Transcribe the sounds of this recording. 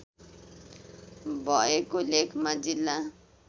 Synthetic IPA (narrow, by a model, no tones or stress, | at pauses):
bʱɔekolekʰmad͡zilːa